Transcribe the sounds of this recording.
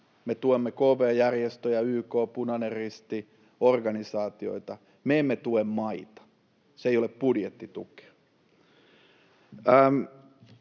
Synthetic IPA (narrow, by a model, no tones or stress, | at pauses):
met̪uemːekoːʋeːjærjest̪øjɑyːkoːpunɑnerrist̪i | orɡɑnisɑːt̪io̰it̪ɑ | meemːet̪uemmɑit̪ɑ̥ | seijoleppudjet̪ːit̪ṵke̥ɑ̥ | əm